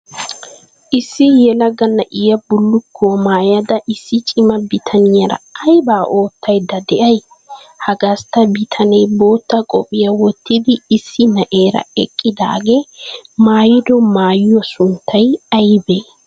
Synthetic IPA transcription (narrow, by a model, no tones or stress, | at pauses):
ʔɪsːɪjɛlɐɡɐnːɐʔɪjɐbʊlːʊkʰːoːmaːjɐd̪ɐʔɪsːɪt͡ʃʼɪmɐbɪt̪ʰɐnɪjɐɾɐ̰ɐjbaːʔo̞ːt̪ːɐjd̪ɐd̪ɛʔɐj | hɐɡɐst̪ɐbɪt̪ʰɐnɐjbo̞ːt̪ːɐkʼɔ̰pʼɪjɐwɔt̪ːɪd̪ɪɪsːɪnɐʔeːɾɐ̰ɛkʼːɪd̪a̰ːɡemaːjɪd̪ɔmaːjjɔsʊnt̪ʰːɐjɐjbeː